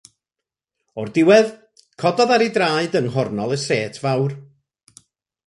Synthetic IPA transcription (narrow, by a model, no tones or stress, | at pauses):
ɔrdɪwɛð | kʰɔdɔðaɾidraːɨdənɦɔrnɔlˠəseːtʰvawr